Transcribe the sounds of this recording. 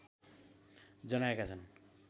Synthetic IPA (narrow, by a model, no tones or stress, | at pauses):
d͡zʌnaekat͡sʰʌn